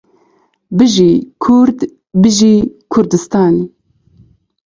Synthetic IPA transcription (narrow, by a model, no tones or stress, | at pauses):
bɨʒikʰʊɾd̪ | bɨʒiːkʰʊɾd̪ɨst̪ɑːn